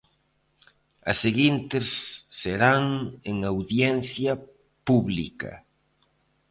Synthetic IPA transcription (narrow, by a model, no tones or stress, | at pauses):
ɐ̰seɣint̪ɪsːeɾaŋeŋawðjɛnθjɐ | puβlḭkɐ̰